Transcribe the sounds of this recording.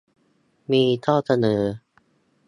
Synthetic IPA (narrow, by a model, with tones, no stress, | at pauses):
miː˧t̪ʰɔː˥˩sa˧nɤː˩˦